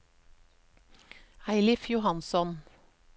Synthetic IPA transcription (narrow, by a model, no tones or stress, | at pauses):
æɪlɪfjʊhɑnsɔn